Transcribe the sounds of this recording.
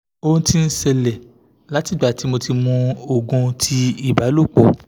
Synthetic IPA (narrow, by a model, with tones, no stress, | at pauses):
o˧ũ˧ti˧n̩˦sɛ˧lɛ˨ | la˨˦ti˦˨ɡ͡ba˨ti˨˦mo˧ti˧mũ˧o˨ɡũ˧tʰi˧i˦˨ba˨˦lo˦˨k͡po˨